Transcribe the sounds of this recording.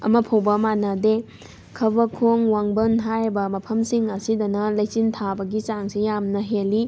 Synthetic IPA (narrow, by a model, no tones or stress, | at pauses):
ɐ̰mɐpʰɐwbɐmanade | kʰɐbɐkʰoŋwaŋbɐnɦaɾbɐmɐpʰɐmsiŋɐsidɐnɐlajt͡ʃintʰabɐɡit͡ʃaŋsijamnɐɦeli